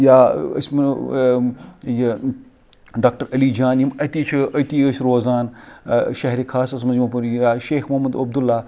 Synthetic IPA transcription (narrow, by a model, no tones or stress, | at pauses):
jaːɐ̰sʲmɐn | j | ɖaːk̚ʈəɾɐlid͡ʒaːnjimɐt̪iːt͡ʃʰiɐt̪iːəsʲɾoːzaːnʃɐɦɾikʰaːsɐs̬mɐnzimɐpɐnaːʃeːxmɐmɐd̪ɐb̚d̪ulːaː